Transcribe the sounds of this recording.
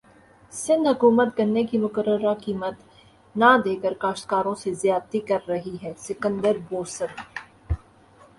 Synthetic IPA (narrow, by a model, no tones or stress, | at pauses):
sɪ̃nd̪ɦɐkuːmət̪kɐɾnekimʊkəɾəɾakiːmət̪ | nad̪eːkəɾkaːʃt̪kaːɾõsezjaːd̪t̪ikɐɾːɐɦiɦɛːsɪkə̃nd̪əɾboːsəɾ